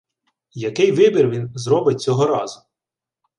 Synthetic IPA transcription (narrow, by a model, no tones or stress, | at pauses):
jɐkɪjʋɪbʲirʋʲinzɾɔbɪt̚ʲt͡sʲɔɦɔɾɑzʊ